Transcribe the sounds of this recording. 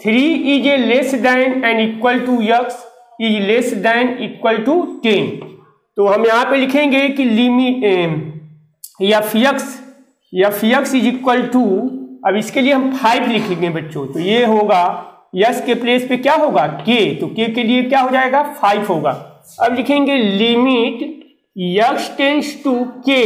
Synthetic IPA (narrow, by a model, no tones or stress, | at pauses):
t̪ʰɪɾiʔiːd͡ʒelesɖɛːɪnɛ̃ːɳɖikwəlʈujəks | id͡ʒleːsdɛːɪniːkwəlʈuʈeːn | t̪oɦɐmjɐɦãpẽlɪkʰẽːŋɡekilimi | jafʰijəks | jafijəksid͡ʒɪkwəlʈuɐbɪskelieɦɐmpʰaːɪplɪkʰẽŋɡeɦẽbɐtːʃõt̪ojeɦoːɡa | jɐkskepleːspekjaːɦoːɡaket̪okekeliekjaːɦod͡ʒaːeːɡapʰaːɪbɦoːɡa̰ː | ɐblɪkʰẽːŋɡelɪmɪʈ | jɐksʈeːnsʈuke